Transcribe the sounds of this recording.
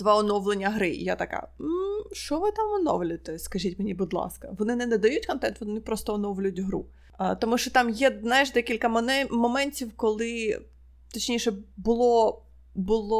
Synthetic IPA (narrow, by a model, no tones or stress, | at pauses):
d̪ʋaɔnɔwlˠenʲːɐɦɾɪ̰ja̰t̪ɐka̰m̩ʃt͡ʃɔʋɪt̪ɑmɔnɔ̰wlʲʊt̪ɛskɐʒʲitʲmenʲibʊd̪lˠɑ̰skɐʋɔnɪnɛnɛd̪ɐjutʲkɔnt̪ɛnt̪ʋɔnɪpɾɔst̪ɔɔnɔwlʲʊjʊtʲɦɾṵ | t̪ɔmuʃt͡ʃɔt̪ɑmjɛznɑjɪʃd̪ɛkʲilʲkɐmɔmɛnʲtʲiwkɔlˠɪ | t̪ɔt͡ʃnʲijʃɛbʊlˠɔ | bʊlˠɔ